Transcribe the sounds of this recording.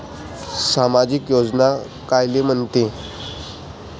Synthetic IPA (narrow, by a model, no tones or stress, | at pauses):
samad͡ʑikjod͡zna | kajlem̤əɳt̪e